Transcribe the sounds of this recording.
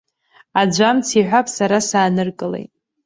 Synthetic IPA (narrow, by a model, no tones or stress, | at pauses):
ad͡ʒʷamt͡sʰiħʷapʰʼsaɾasaːnɨrkʼɨlḛjtʼ